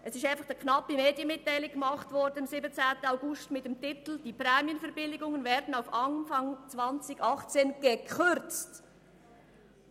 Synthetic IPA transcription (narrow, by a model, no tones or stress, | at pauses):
ʔɛsɪʃaɪnfɑχd̥ikʰnɑpimeːdjənmɪtːaɪlɪɡ̚ɡ̥əmɑχtvɔɾdənɑmsɪbət͡sɛːntənaʊɡʊstmɪt̚dɛmtɪtl̩d̥iːpɾɛːmjənfɛɐbɪlɪɡʊŋənvɛːɾdn̩aʊfɑnfɑŋt͡svɑnt͡sɪɡɑχt͡seːnɡ̥əkʰʏɾt͡st